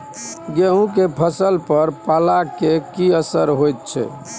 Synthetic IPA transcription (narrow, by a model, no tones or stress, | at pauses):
ɡeɦũkepʰəsəlpəɾpalakekiəsəɾɦojt̪̚t͡ʃʰɛ̰